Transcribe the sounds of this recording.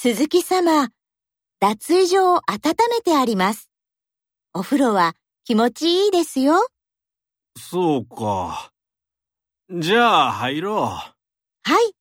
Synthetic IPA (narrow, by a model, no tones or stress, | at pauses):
sɨzɨkʲisama | d̪̥at͡sɨːʑo̞ːʔat̪at̪ame̞t̪e̞aɾʲimasɨ̥ | o̞ɸɯ̟ɾo̞βa | kʲimo̞t͡ɕiiːd̪e̞sɨjo̞ | soːka̰ | d͡ʑaːhaiɾoː | hai